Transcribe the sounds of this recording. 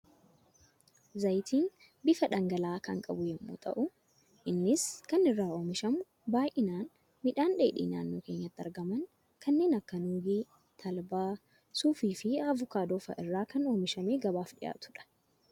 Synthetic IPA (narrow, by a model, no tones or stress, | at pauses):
zɐjt̪ʰiːn | bɪfɐᶑɐŋɡɐlaːkɐ̰ŋkʼɐ̰bʊjɛmːo̰ːt̪ʼɐ̰ʔʊ | ʔɪnːɪskɐnɪrːaːo̞ːmɪʃɐmʊ | baːjʔɪnaːn | mɪᶑaːnᶑeːᶑḭːna̰ːnːo̞ːke̞ːɲːɐt̪ːɐɾɡɐmɐŋ | kʰɐnːe̞ːnɐkːɐnuːɡiː | t̪ʰɐlbaː | suːfiːfɪɐvʊkaːd̪oːfɐ̰ʔɪrːaːkɐno̞ːmɪʃɐmeːɡɐbaːfᶑɪ̰ja̰ːt̪ʊ̥ᶑɐ̥